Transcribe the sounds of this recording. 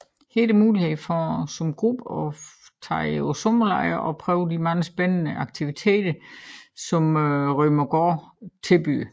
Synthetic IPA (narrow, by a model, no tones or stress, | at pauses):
he̝̰ːd̥əmuːlihe̝ðˠfɒsɒ̽mɡ̥ʁub̥ɒt͡sʰɑ̰̈ɪosomɐlɑ̰̈ɪɐʔɒ̽pʰʁœːʊd̥imɑ̈ːð̩ˠsb̥enənəʔɑ̈ɡ̥̚t͡sʰiʋit͡sʰe̝̰ːd̥ɐsɒ̽mʁœmɐɡ̥ɒːt͡sʰe̝lb̥y̰ː